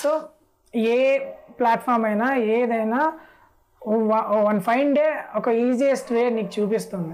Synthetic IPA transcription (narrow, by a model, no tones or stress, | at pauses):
so | eːplaːʈpʰaːɾmɐjnaːeːd̪ɐjnaː | ʋɐʋɐnpʰɐjɳɖeːɔkɐiːd͡ʒijɐsʈʋeːɾniːkit͡ʃuːpist̪und̪i